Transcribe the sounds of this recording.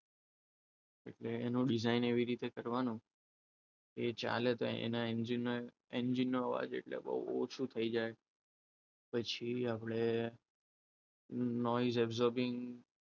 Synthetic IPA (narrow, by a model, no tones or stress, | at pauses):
ḛʈleːnũɖizaineʋiɾit̪ekəɾʋanũ | ket͡ʃa̰let̪oḛḛnaend͡ʒinːo | end͡ʒinːoəʋa̰d͡ʒḛʈlḛbə̰ṵo̰t͡ʃʰut̪ʰəid͡ʒae | pət͡ʃʰiapɽe | nɔizɛbzɔɾbɪ̃ŋɡ